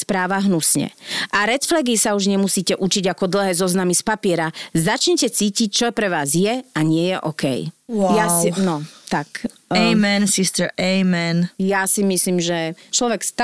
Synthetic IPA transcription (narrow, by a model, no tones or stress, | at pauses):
spɾaːʋaɦnusɲɛ̰ʔaɾɛt͡sflɛɡisauʒɲɛmusiːcɛʔut͡ʃiɟakɔd̪l̩ɦɛːzɔznamispapɪɛɾazat͡ʃɲɛcɛt͡siːcic̚t͡ʃɔpɾɛʋaːzjɛaɲɪɛjɛʔɔkɛ̰jwjanɔt̪ak | ɛjmɛnsist̪əɾʔɛjmɛnjasimisliːmʒɛt͡ʃlɔʋɛkst̪